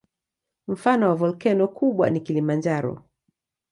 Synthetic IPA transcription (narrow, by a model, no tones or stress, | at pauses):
m̩fanɔwavɔlkɛnɔkuɓwa̰nikilimand͡ʒaɾɔ̰